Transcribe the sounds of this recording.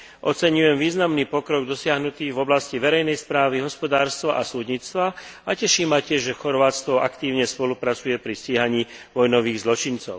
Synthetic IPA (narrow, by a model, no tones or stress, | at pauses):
ʔɔt͡sɛɲujɛmʋiːznamniːpɔkɾɔɡd̪ɔsɪaɦnut̪iːɣvɔblasciʋɛɾɛjnɛjspɾaːʋiɦɔspɔd̪aːɾst̪ʋɔʔasuːd̪ɲit͡st̪ʋaacɛʃiːmːacɪɛʒʒɛxɔɾʋaːt͡st̪ʋɔʔakt̪iːʊɲɛspɔlupɾat͡sujɛpɾisciːɦaɲiːʋɔjnɔʋiːɣzlɔt͡ʃint͡sɔʊ